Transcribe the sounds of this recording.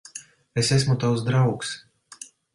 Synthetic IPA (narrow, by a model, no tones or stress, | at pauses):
esesmut̪awsd̪ɾawks